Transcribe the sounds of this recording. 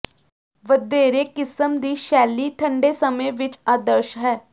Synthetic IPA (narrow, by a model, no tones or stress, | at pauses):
ʋəd̪eːɾeːkɪsəmd̪iːʃɛːlːiːt̪ʰə̃ɳɖeːsəmẽʋɪt͡ʃaːd̪əɾʃɦɛː